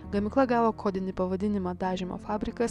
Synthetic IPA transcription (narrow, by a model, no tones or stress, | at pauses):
ɡɐmʲɪklˠɐɡɑːʋoːkʰoːd̪ʲɪnʲɪpɐʋɐd̪ʲɪnʲɪmɑːd̪ɑːʒʲɪmo̰ːfɑːbʲɾʲɪkɐs